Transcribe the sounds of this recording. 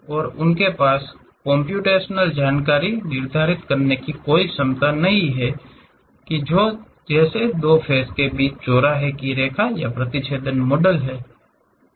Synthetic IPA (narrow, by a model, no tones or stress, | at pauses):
ɔːɾʊnkepaːs | kɔ̃mpjuːʈeːʃnəld͡ʒaːnkaːɾinɪɾd̪ʱaːɾɪt̪kɐɾnekikoːisɐmt̪anɐɦĩɦɛ | kid͡ʒoː | d͡ʒɛːsed̪oːpʰɛːskebiːt͡ʃt͡ʃoːɾaɦɛkiɾeːkʰajapɾət̪ɪʃeːd̪ənmɔːɖəlɦɛː